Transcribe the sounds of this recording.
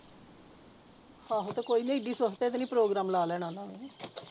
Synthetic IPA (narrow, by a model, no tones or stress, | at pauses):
haːɦot̪ekoːiːnẽːɪɖiːsost̪eːt̪enĩːpɾoːɡɾaːmlaːlɛːɽ̃ãːnãːʋẽː